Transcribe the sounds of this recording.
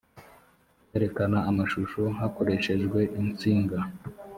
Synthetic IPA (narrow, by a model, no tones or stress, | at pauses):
eɾe̞kanaːmaʃuʃoɦako̞ɾe̞ʃe̞ʒɡwe̞ʔint͡siːŋɡa